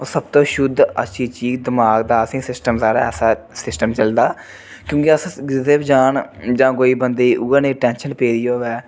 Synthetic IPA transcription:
oːsəbt̪õːʃʊd̪ʱə̰ʃʰiːt͡ʃiːkd̪ɪmaːɡd̪aːəsĩːsɪsʈəmsaːɾaːɛ̰ːsaː | sɪsʈəmt͡ʃəld̪aː | kjõːkeəsɡɪd̪eːbd͡ʒaːnd͡ʒãːkoːiːbənd̪eːʔuːənẽːʈɛ̃ːnʃənpeːɾiːoːʋɛː

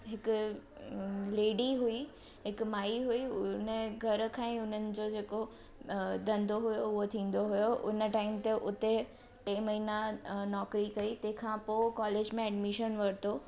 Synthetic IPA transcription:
ɦɪkʊ | leːɖiɦui | ɦɪkmaːiɦuinəɡʱɐɾkʰãːẽʊn̤ənɪ̆d͡ʑod͡ʑeːko | d̪ɐ̃nd̪ʱoɦʊjoʊɦot̪ʰĩːn̆d̪oɦʊjoʔʊnəʈaːɪmt̪eʔʊt̪e | ʈẽːmɐɦinanɔːkɾikɐit̪ɐ̃ɦkʰãːpokɔːleːd͡ʑmẽɛɖmɪʃənʋɐɾt̪oː

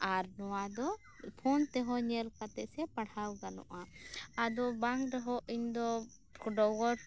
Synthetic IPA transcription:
aɾnɔwad̪ɔ | pʰɔnt̪ɛɦɔɲɛlkat̪ɛʔ̚sɛpaɽhawɡanɔ̰ʔaad̪ɔbaŋkɾɛɦɔʔiɲd̪ɔ | kɔɖɔɡɔʈ

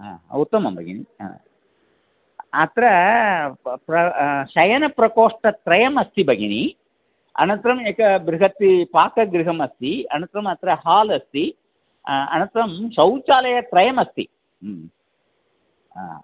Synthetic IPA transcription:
a̰ːut̪ːɐmɐmbʱɐ̰ɡḭnia̰ː | ɐt̪ɾɐ | pɾɐʃɐjɐnɐpɾɐkoːʂʈɐt̪ɾɐjɐmɐst̪ibɐɡini | ɐ̰nɐnt̪ɾɐmeːkɐbɾiɦɐt̪ːipaːkɐɡɾiɦɐmɐst̪iɐ̰nɐnt̪ɾɐmɐt̪ɾɐɦaːlɐst̪i | ɐ̰nɐnt̪ɾɐmʃɐwt͡ʃaːlɐjɐt̪ɾɐjɐmɐst̪ḭ | a̰ː

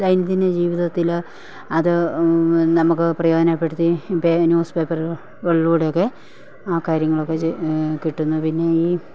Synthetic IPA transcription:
sɐjnɐt̪ːinded͡ʑiːʋiðɐt̪ːil | ɐðɨ | nɐmukːɨprɐjo̞ːdɐnapːeɽut̪ːipːenjuːspe̞ːpːɐr | ʋeɭːuːɽjokːe̞ | aːkaːɾjɐŋːɐɭo̞kːe̞kiʈːunːupinːe̞iː

